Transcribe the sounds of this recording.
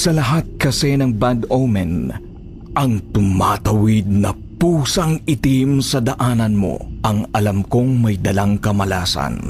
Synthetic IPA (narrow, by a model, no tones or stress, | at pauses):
sɐlɐɦat̪̚kɐsɛnɐŋbad̪owmɛn | ʔɐŋt̪ʊmat̪ɐwɪd̪̚nɐ | puːsɐŋɪt̪imsɐd̪ɐʔaːnɐnmo̞̰ʔɐŋɐlɐmkoŋmɐjd̪ɐlaŋkɐmɐlaːsɐ̰n